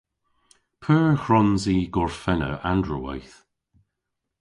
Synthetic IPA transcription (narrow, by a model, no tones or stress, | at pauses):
pʰəːɹxɹɔnziːɡɔɹfɛnə̰ʔandɹua̰jθ